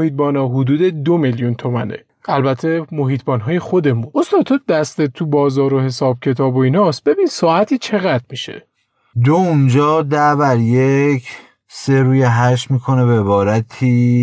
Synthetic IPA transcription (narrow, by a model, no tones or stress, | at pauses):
ohiːt̪̚bɒːnɒːɦud̪uːd̪e̞d̪o̞meljunt̪ʰo̞mæ̰ne̞̰ | ʔælbæt̪ʰːe̞mo̞ɦiːt̪̚ʰbɒːnɦɒːje̞xo̞d̪e̞munost̪ɒːd̪̚t̪ʰoːd̪æst̪et̪ʰːubɒːzɒːɾohe̞sɒːb̥̚cʲʰe̞t̪ʰɒːboiːnɒs̚be̞biːnsɒːæt̪ʰiːt͡ʃʰe̞ɣæd̪miʃe̞̰ | d̪ound͡ʒɒːd̪æbæɾjecʰ | seɾuːjeɦæʃ̬miːkʰoneveβɒːɾæt̪ʰiː